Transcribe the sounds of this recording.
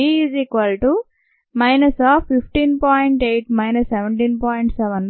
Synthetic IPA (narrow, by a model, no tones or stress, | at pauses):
iziːkʋɐlʈu | mɐjnɐsaːfːipʰʈiːnpɔːjɳʈejʈmɐjnɐsːɛʋeɳʈiːnpɔːjɳʈsɛʋɐn